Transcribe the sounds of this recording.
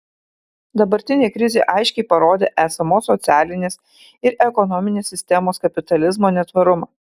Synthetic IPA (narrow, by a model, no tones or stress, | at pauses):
d̪ɐbɐɾʲt̪ʲɪnʲeːkɾʲɪzʲeːʔɑɪʃʲkʲɛɪpɐɾoːd̪ʲeːʔæːsɐmoːsːɔt̪sʲæːlʲɪnʲeːs | ɪɾʔɛkɔnɔmʲɪnʲeːsʲːɪsʲt̪ʲɛmoːskɐpʲɪt̪ɐlʲɪzmoːnʲɛt̪ʋɐɾʊmɑː